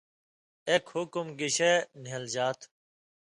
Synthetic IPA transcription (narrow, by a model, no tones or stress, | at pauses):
ekhʊkumɡiɕenɦɐld͡ʑaːt̪ʰ